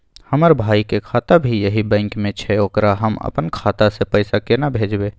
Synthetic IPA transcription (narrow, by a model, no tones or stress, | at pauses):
həməɾbʱaːikekʰat̪abʱijəɦibə̃ɪŋkmẽt͡ʃʰɛoːkɾaɦəmə̰pənkʰaːt̪asepəɪsakenabʱeːd͡ʒbe